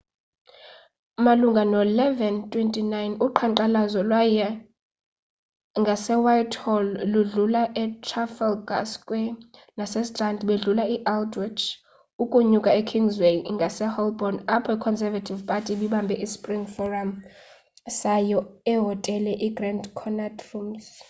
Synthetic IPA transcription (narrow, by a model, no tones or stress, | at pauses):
maluŋɡʱanɔlɛvɛntʼwentʼinajnuǃʰaǃalazɔlwajɛ | ŋɡʱasɛwajtʰhɔlluɮulaʔɛtʰrafɛlɡa̰skʼwɛ | nasɛstʼrandɓeɮulaiʔaldʰʼwit͡ʃʰ | ukʼuɲukʼaɛkʰiŋɡzwejŋɡʱasɛhɔlbɔnapʰɔikʰɔnsɛvatʰʼivpʼatʼiɓiɓambʱɛʔispʼriŋfɔram | sajɔɛɦɔtʼɛlɛʔiɡrandkʰɔnatʰʼrums